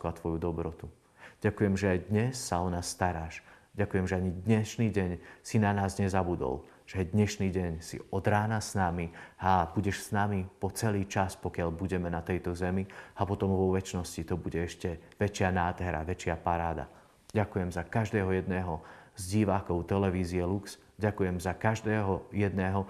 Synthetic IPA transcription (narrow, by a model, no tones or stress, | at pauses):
kat̪ʋɔjud̪ɔbɾɔt̪u | ɟ̥akujɛmʒɛajd̪ɲɛsːaɔnaːsːt̪aɾaːʃɟakujɛmʒɛaɲid̪ɲɛʃniːɟɛɲsinanaːzɲɛzabud̪ɔ̰l | ʒ̥ɛajd̪ɲɛʃniːɟɛɲsḭɔd̪ɾaːnasnamihabuɟɛʃsnamipɔt͡sɛliːt͡ʃaspɔkɪaʎbuɟɛmɛnat̪ɛjt̪ɔzɛmiapɔt̪ɔmʋɔʋɛt͡ʃnɔscit̪ɔbuɟɛɛʃcɛʋɛt͡ʃɪanaːd̪ɦɛɾa̰ʋɛt͡ʃɪapaɾaːd̪a̰ | ɟakujɛmzakaʒd̪ɛːɦɔjɛd̪nɛːɦɔzɟiʋaːkɔʊt̪ɛlɛʋiːziɛluks | ɟakujɛmzakaʒd̪ɛːɦɔjɛd̪nɛːɦɔ